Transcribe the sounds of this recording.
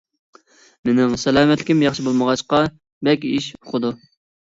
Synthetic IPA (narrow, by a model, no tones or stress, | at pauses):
mɪnɪŋsɛlæːmɛt̪lɪkʲimjɑχʃibolˠməʁɑʃqɑ | bɛkʲiʃoχʰʊd̪u